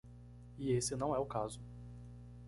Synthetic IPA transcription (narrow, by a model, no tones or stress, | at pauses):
ɪesɪnɐ̃w̃ɛʊkazʊ